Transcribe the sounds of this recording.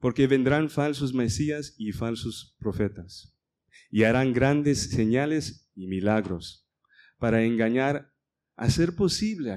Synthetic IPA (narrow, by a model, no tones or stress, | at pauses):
po̞ɾkeβe̞nd̪ɾanfalsozmesiasifalsospɾofet̪as | iaɾaŋɡɾand̪esːeɲalesimilaɣɾo̞s | paɾaeŋɡaɲaɾ | a̰seɾpo̞siβlea